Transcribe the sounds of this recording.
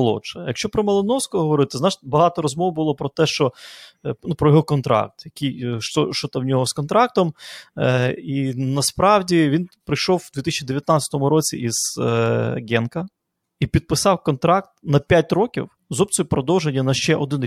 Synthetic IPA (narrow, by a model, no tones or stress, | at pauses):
lˠɔ̰t͡ʃɐjɐkʃt͡ʃɔpɾɔmɐlˠɪnɔwskɔɦɔʋɔɾɪt̪ɪznɑʃʲbɐɦɑt̪ɔɾɔzmɔwbʊlˠɔpɾɔt̪ɛʃt͡ʃɔ | nupɾɔjɔɦɔkɔnt̪ɾɑ̰k̚t̪jɐkijʃt͡ʃɔʃt͡ʃɔt̪ɐwnʲɔɦɔskɔnt̪ɾɑk̚t̪ɔm | inɐspɾɑwdʲiʋʲinpɾɪjʃɔwːd̪ʋʲit̪isʲt͡ʃʲid̪eʋʲjɐt̪nat͡sʲɐt̪ɔmʊɾɔt͡sʲḭʔiz̥ | ɡʲɛnkɐ | ipʲid̪̚pɪsɑwkɔnt̪ɾɑk̚t̪nɐpʲjat̚ʲɾɔkʲḭw | zɔb̚t͡sʲiʊpɾɔd̪ɔwʒenʲːɐnɐʃt͡ʃɛʔɔd̪ɪn